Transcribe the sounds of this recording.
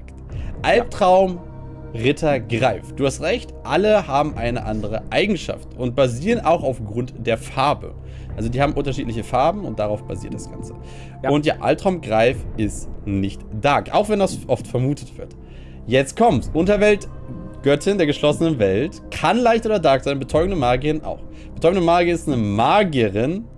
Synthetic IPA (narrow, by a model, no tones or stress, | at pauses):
ʔalp̚tʁ̥aʊm | ʁɪtʰɐɡʁaɪfd̥uːhastʁɛçtʔaləhaːbm̩ʔaɪnə̰ʔandəʁ̞əʔaɪɡŋ̩ʃa̰ftʔʊnt̚b̥aziːʁənʔaʊxaʊfɡ̥ʁʊntd̥eːɐfaɐbə̰ | ʔalzodiːhaːbm̩ʔʊntɐʃiːtlɪçəfaɐbm̩ʊnt̚d̥aʁaʊfb̥a̰ziːɐt̚d̥asɡ̥a̰nt͡sə̥ | ʊntja̰ːʔa̰ltʁ̥aʊmɡʁaɪfʔɪstnɪçtd̥aːkʔa̰ʊxv̥ɛndasʔɔftfɛɐmuːtʰətv̥ɪɐt | jɛt͡stkʰɔmtsʔʊntɐvɛltɡ̥œtʰɪndeːɐɡəʃlɔsənənvɛlt | kʰanlaɪçtʔoːdɐdaɐkz̥aɪnbət͡sʰɔʏɡŋ̩dəmaːɡiəʁɪnʔa̰ʊx | b̥ət͡sʰɔʏɡŋ̩dəmaːɡjəɪstnəmaːɡiəʁɪn